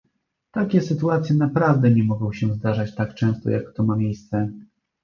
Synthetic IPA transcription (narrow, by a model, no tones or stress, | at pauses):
t̪akʲɛsɘt̪uat̪sʲjɛnapɾavd̪ɛɲɛmɔɡɔ̃w̃ɕɛzd̪aʐat͡ɕt̪akt͡ʂɛ̃w̃st̪ɔ̰jakːt̪ɔmamʲjejst̪sɛ